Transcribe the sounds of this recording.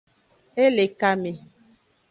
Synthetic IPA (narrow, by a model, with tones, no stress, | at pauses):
e˦le˨ka˦me˨